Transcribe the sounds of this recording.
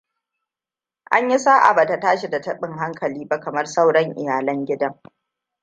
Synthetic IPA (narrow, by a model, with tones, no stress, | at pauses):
ʔa̰˦ɲjɪ˦saː˦ʔa̰˨ba˨ta˨taː˦ʃi˨da˨tɐ˦ɓɪ˦ŋɦa˦ŋkʰɐ˨liː˦ba˦kɐ˨mɐ˦rsa˦wɽɐ˦ŋʔɪ̰˨jaː˨lɐ˦ŋɡʲɪ˦dɐ˦ŋ